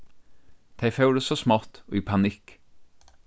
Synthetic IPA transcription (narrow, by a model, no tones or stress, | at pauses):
t̪ʰæɪfœʉɖ̪ʉsosmɑt̪oːiːpʰɑnɪk